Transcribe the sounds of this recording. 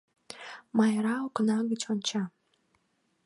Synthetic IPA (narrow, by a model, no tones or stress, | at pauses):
majɾawkʷʰʼnaɡɨt͡ʃʰʼant͡ʃʰa